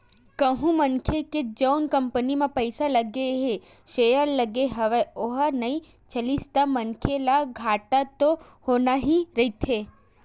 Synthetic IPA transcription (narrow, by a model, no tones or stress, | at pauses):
kəɦũmənkʰeked͡ʒəwnkəmpənimãpəjsaləɡeɦe | ʃejəɾləɡeɦəʋeoɦanəĩ | t͡ʃəlist̪amənkʰelaɡʱaʈat̪o | honaɦĩɾəit̪ʰe